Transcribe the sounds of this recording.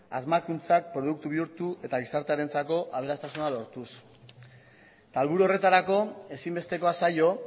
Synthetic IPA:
a̰zmakunt͡sak̚pɾo̞ðuk̚t̪uβ̞iuɾt̪uʔe̞t̪aɣisaɾt̪eaɾe̞nt͡sako̞ʔaβ̞e̞ɾast̪asunalo̞ɾt̪us | t̪aːlβuɾuo̞re̞t̪aɾako̞e̞simbe̞st̪e̞ko̞asajo̞

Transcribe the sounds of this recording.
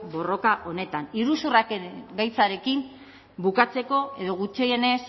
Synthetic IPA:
bo̞ro̞kaʔo̞ne̞t̪aniɾusurakeɡajt͡saɾe̞kim | bukat͡se̞ko̞e̞ðo̞ɣ̞ut͡ʃeje̞ne̞s

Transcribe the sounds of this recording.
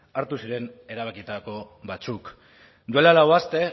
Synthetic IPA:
aɾt̪usiɾe̞ne̞ɾaβ̞akit̪ako̞ | βat͡suk | d̪ue̞lalawast̪e̞

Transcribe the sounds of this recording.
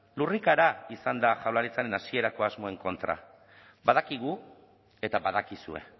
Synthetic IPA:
lurikaɾaisand̪aʝawlaɾit͡saɾe̞nasie̞ɾako̞azmo̞e̞ŋko̞nt̪ɾa̰ | bað̞akiɣ̞u | e̞t̪aβað̞akisue̞̰

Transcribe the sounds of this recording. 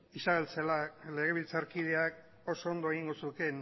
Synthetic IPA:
isaβe̞lt͡selale̞ɣ̞e̞β̞ilt͡saɾkið̞e̞ak̚ | o̞so̞ːnd̪o̞eɣiŋɡo̞suk̪e̞n

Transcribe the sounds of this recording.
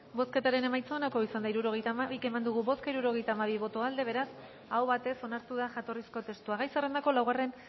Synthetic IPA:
bo̞ske̞t̪aɾe̞ne̞majt͡soonako̞isand̪aiɾuɾo̞ɣ̞e̞jt̪amaβike̞mand̪uɣuβo̞skaiɾuɾo̞ɣ̞e̞jt̪aːmaβ̞iβ̞o̞t̪oald̪e̞β̞e̞ɾas | awβat̪e̞so̞naɾt̪uðaʝat̪o̞risko̞t̪e̞st̪uaɣajsere̞nd̪ako̞lawɣare̞n

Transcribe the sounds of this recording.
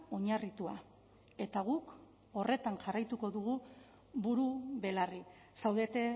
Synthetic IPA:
o̞ɲarit̪ua | e̞t̪aɣ̞uk | o̞re̞t̪anʝarajt̪uko̞ðuɣu | βuɾuβe̞lari | sawðe̞t̪e̞

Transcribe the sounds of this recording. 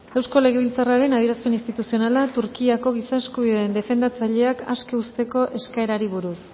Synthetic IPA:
e̞wsko̞le̞ɣe̞βilt͡saraɾe̞nað̞iɾasmeninst̪it̪usio̞nalat̪uɾkiako̞ɣ̞isaeskuβiðeːnd̪e̞fe̞nd̪at͡saʎe̞aka̰ske̞ust̪e̞ko̞ʔe̞skae̞ɾaɾiβ̞uɾus

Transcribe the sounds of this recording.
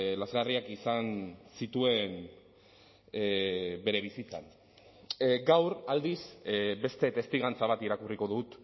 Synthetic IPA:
lazɣariakisansit̪ue̞n | be̞ɾe̞β̞isit͡sa̰n | ɡawɾald̪isbe̞st̪e̞t̪e̞st̪iɣant͡saβ̞at̪iɾakuriko̞ðut̪

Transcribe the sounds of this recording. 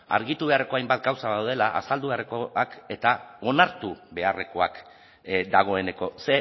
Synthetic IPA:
a̰ɾɣit̪uβe̞are̞ko̞ajmbat̪̚ɡawsaðawðe̞laʔa̰sald̪uβe̞arekoake̞t̪ao̞naɾt̪uβe̞are̞ko̞ak | d̪aɣ̞o̞e̞ne̞ko̞se̞

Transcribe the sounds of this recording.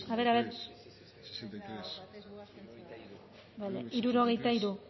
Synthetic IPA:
aβeɾaβeɾ | baleiɾuɾo̞ɣ̞e̞jt̪aiɾu

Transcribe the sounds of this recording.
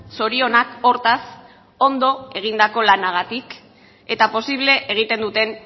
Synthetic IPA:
so̞ɾio̞nako̞ɾt̪as | o̞nd̪o̞e̞ɣ̞ind̪ako̞lanaɣ̞at̪ik | e̞t̪apo̞siβle̞ʔeɣ̞it̪e̞nd̪ut̪e̞n

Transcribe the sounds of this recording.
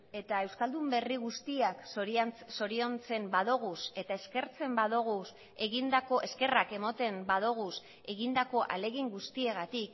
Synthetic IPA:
e̞t̪ae̞wskald̪umbe̞riɣ̞ust̪iakoɾso̞ɾio̞nt͡se̞mbaðoɣuse̞t̪ae̞ske̞ɾt͡se̞mbaðoɣ̞us | e̞ɣind̪ako̞ʔe̞ske̞rake̞mot̪e̞mbaðoɣ̞us | e̞ɣind̪ako̞ʔa̰le̞ɣiŋɡust̪ie̞ɣat̪ik

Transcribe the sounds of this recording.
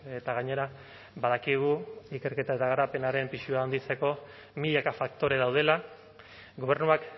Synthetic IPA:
et̪aɣ̞aɲe̞ɾa | baðakiɣ̞uike̞ɾke̞t̪ae̞t̪aɣaɾape̞naɾe̞mpiʃuaːnd̪it͡se̞ko̞ | miʎakafak̚t̪o̞ɾe̞ðawð̞e̞la | ɡo̞β̞e̞ɾnuak

